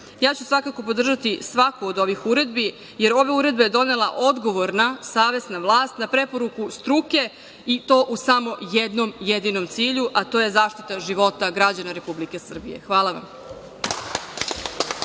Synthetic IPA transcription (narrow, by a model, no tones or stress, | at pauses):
jaːt͡ɕusʋakako̞p̬o̞d̪r̩ʒat̪isʋakoːd̪o̞ʋixuɾe̞d̪bi | je̞ɾo̞ʋe̞uɾe̞d̪be̞ed̪o̞ne̞lˠaʔo̞d̪ɡo̞ʋoɾnasaːʋe̞snaʋlˠaːst̪napɾe̞po̞ɾukust̪ɾuke̞ | it̪o̞ːʔusamo̞jed̪nomjed̪ino̞mt̪siːʎuʔat̪o̞ːje̞zaːʃt̪it̪aʒiʋo̞t̪aɡɾad͡ʑanaɾe̞publike̞sr̩bḭje̞̰xʋaːlˠaʋa̰m